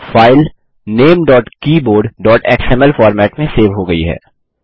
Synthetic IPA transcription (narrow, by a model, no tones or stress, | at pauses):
faːɪl | neːmɖɔːʈkiːboːɾɖɖɔːʈɛːksɛmɛlfɔːɾmɛːʈmẽseːʋɦoɡɐḭɦɛ̰ː